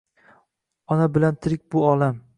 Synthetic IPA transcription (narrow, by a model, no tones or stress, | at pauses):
ɒnabɪlant̪ʰɪɾɪk̚ʲbʊɒlam